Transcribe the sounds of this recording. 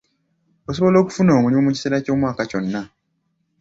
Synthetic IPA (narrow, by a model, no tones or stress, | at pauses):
oso̞βo̞lo̞ːku̥funo̞ːmuliomuci̥seːɾaco̞ːmwaːkaco̞nːa